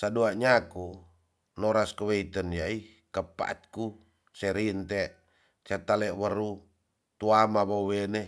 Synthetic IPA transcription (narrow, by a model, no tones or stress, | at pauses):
saduaʔɲaku | noɾaskəweit̪ənjai | kəpa̰t̪̚ku | sɛɾint̪ɛ | t͡ʃat̪alɛʔwəɾu | t̪uamaβowenɛ